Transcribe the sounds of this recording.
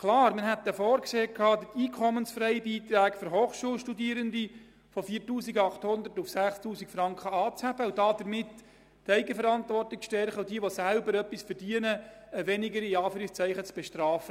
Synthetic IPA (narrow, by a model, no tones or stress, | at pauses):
kʰlɑːɾməɦɛt̪ːəfɔːɾkseːkʰːɑːd̪tiːkʰɔmənsfɾɛjbiːt̪ɾæːkføɾɦoːχʃuːlʃtudiːəɾənd̪i | fɔfiːrtuːsiɡɑχthʊnd̪ətːufsæχstuːsikfɾɑŋkχəɑːt͡shæb̥əud̥ɑːd̪̥əɾmɪtː | ɛɪɡəfəɾɑntʋɔrtɪk̚ʃtɛrχəwdiəʋɔsælbəɾœpːisfərdiənə | əʋɛnɪɡəɾɪɑːfyːɾɪkst͡sɛɪχət͡sb̥ɛʃtɾɑːfə